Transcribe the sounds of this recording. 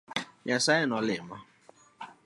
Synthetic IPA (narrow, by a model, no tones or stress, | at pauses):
ɲasaɪnɔlɪmɔ